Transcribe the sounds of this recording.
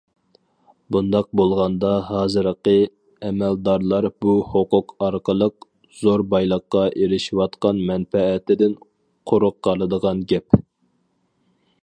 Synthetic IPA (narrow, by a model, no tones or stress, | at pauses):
bund̪ɑq̚bolˠʁɑnd̪ɑɦɑːzɨɾəqə | ɛmɛld̪ɑɾlˠɑɾbuhoqʊqɑɾqəlˠəq̚ | z̥oɾbɑjlˠəqːɑʔeɾɪʃiwɑt̪qɑnmɛnfɛːt̪ʰɪd̪ɪn | qʰoɾʊqːɑlˠɨd̪əʁɑnɡʲɛp